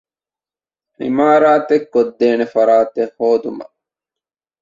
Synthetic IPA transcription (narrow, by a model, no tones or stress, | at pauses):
ʔḭmaːɾaːt̪ekːod̪ːeːnefɐɾaːt̪ehhoːd̪umɐ̰